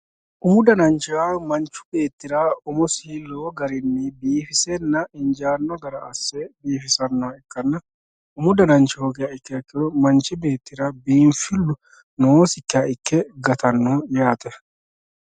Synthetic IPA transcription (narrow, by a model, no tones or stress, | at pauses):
ʔuːd̪ɐnɐnt͡ʃːɪwaːmɐnt͡ʃːʊ̥be̞ːt̪ːɪɾaʊmʊsiːlːoɡɐɾɪnːɪbiːfɪsɛnːɐʔɪnd͡ʒaːnːɔɡɐɾɐɐsːɛbiːfɪsɐnːɔɐɪkːɐnːɐ | ʊmʊd̪ɐnɐnt͡ʃːɪhoɡɛjaɪkːɛɐkːɪɔmɐnt͡ʃɪbe̞ːt̪ːɪɾabiːnfɪlːʊ | noːsɪkːɪjaʔɪkːɛɡɐt̪ɐnːoːjaːt̪ɛ